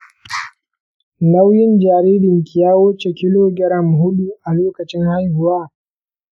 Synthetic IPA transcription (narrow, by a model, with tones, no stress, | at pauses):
na˦wjɪ˦nd͡ʒaː˨ɾiː˦dɪ˨ŋkʲɪ˨jaː˦wʊ˦t͡ʃe˨kʲɪ˦loː˦ɡʲɛ˦ɾɐ˦m˨ɦʊ˦ɗu˦ʔa˨loː˦kɐ˨t͡ʃɪ˦ŋha˦jhʊ˨waː˦